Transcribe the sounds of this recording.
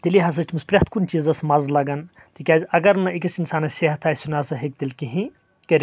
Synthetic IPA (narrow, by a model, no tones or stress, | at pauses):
t̪iliɦɐs̬ɐsʈʰʲmɐspɾʲɐt̪ʰkunt͡ʃizɐsmɐzlɐɡɐn | t̪ikʲaːzʲɐɡɐɾnɐikɐsinsaːnɐseɦɐt̪ʰaːjsunaːsɐɦek̚t̪ilkiɦĩ | kɐɾʲ